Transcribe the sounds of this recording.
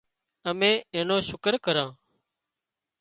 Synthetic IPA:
əmẽːẽːnoːʃʊkəɾkəɾãː

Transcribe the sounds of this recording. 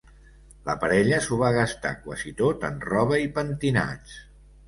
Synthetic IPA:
ləpəɾɛʎəsuβ̞aɣəst̪a̰kwa̰zit̪ot̪ə̰nrɔβ̞əipənt̪ina̰t͡ʃ

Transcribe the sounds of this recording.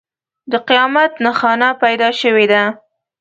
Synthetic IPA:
d̪əqijɑmat̪naxɑnapajd̪ɑʃəwed̪a

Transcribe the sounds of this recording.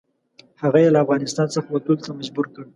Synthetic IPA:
haɣajelaːfɣɑnɪst̪ɑnsəxawat̪ult̪amad͡ʒbuɾkəɽ

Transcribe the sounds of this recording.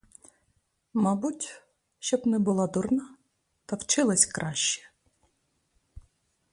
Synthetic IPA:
mɑbutʲ | ʃt͡ʃɔbnɛbʊlˠɑd̪ʊrnɑ | t̪ɐwt͡ʃɪlˠɐsʲkɾʔɑʃʲt͡ʃɛ̥

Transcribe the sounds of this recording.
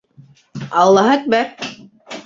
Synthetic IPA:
ɑlˠːɑɦaæt̪̚bæɾ

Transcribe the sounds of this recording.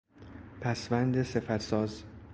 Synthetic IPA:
pʰæsvænd̪e̞sefæɾsɒːz

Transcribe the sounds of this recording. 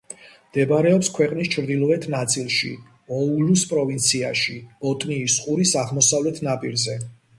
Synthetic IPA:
md̪̥ɛbaɾɛɔpskʰwɛqʼnist͡ʃʰɾd̪ilˠɔɛt̪ʰnat̪sʼilˠʃḭ | ɔuluspʼɾɔvint̪sʰiaʃiɔt̪ʼniːsqʼuɾisaʁmɔsavlɛt̪ʰnapʼiɾzɛ

